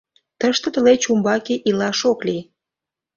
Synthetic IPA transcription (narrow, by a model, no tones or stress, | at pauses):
t̪əʃt̪ə̆t̪ə̆let͡ɕumbɑkeʔilɑʃokli